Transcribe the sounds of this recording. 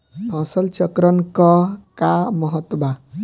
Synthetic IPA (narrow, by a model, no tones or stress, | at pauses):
ɔ̃ːsɔlt͡ʃɔkɾɔnkɔkamɔɦɔt̪ːba